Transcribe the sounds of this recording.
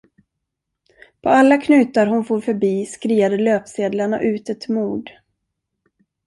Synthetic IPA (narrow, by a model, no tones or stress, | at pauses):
pʰɔalːakʰnʉ̟ːt̪aɾɦʊnfuːɾfœɾbiːskɾiːad̪əløːpseːd̪laɳa̰ʔʉ̟ːt̪ɛt̪muːɖ